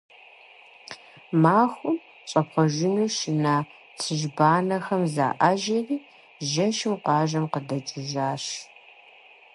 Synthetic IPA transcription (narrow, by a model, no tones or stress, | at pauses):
maːxʷʊm | ɕʼɐpχʷɔʒɪnuːʃɪnaː | t͡sʰɨʒbaːnɐxɐmza̰ːʔaːʒɐriː | ʒɐʃɪmqʷɑːʒɐmqədɐt͡ʃʼɪʒaːɕ